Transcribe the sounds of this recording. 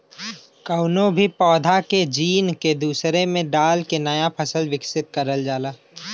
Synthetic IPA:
kəʊnõbʱipɔːd̪ʱaked͡ʒiːnked̪uːsɾemẽɖaːlkenəjapʰəsəlwɪksɪt̪̚kəɾəld͡ʒaːlaː

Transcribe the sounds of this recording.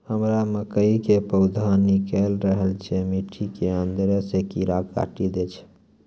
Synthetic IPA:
həmɾaməkəikepəʊd̪ʱanikɛlɾəɦəlt͡ʃʰemiʈʰikeənd̪ɾəsekiɾaka̰ʈid̪et͡ʃʰ

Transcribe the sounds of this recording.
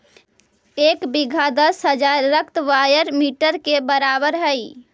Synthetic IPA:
eːkbiɡʱad̪əsɦəd͡ʒaɾːəkt̪ʋaːjəɾmiːʈəɾkebəɾaːbəɾɦəi

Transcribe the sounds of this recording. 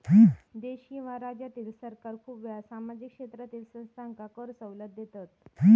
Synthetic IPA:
d̪eɕkĩʋ̤aɾad͡ʑjat̪iːlsəɾkaɾkʰuːpʋasamad͡ʑikʂet̪ɾat̪iːlsə̃nst̪ʰaŋkakəɾsəwlət̪̚ːjet̪at̪ː

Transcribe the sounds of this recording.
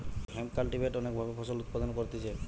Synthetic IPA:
hɛmkalʈibʱeʈɔnek̚bʱabɛpʰɔsɔlut̪̚pad̪ɔnkɔɹt̪isɛ

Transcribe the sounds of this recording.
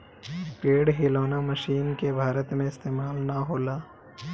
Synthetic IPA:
peːɽɦeːloːnamɐʃiːnkebʱaːɾət̪mẽɪst̪eːmaːlnaɦoːlaː

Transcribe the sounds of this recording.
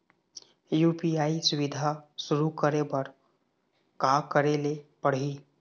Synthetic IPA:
juːpiaːisʊʋɪd̪ʱasʊɾukəɾebəɾ | kakəɾelepəɽ̤ɦiː

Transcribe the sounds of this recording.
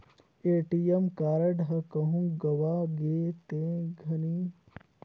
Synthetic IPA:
eːʈijemkaːɾɐɖɦɐkɐɦũɡɐwaːɡeːt̪ẽːɡʱɐni

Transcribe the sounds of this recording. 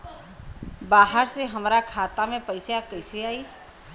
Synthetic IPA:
baːɦəɾseɦəmɾakʰaːt̪amẽpəɪsakəɪseaːi

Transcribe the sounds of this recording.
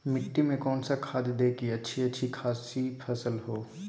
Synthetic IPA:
mɪʈːimẽkɔːnsakʰaːd̪d̪eːkiɐtːʃʰiɐtːʃʰikʰaːsipʰɐsəlɦoː

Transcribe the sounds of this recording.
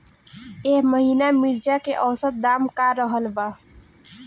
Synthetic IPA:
eɦməɦiːnamiɾd͡ʒakeʔɔwsət̪̚d̪aːmkaɾəɦəlba

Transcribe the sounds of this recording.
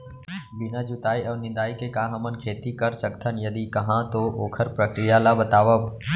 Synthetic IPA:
bɪnad͡ʒʊt̪aːiəʋnɪ̃d̪aːikekãːɦəmənkʰeːt̪ikəɾsəkt̪ʰənjɐd̪ikɐɦãt̪oʔoːkʰəɾpɾəkɾijalabət̪aːʋəʋ

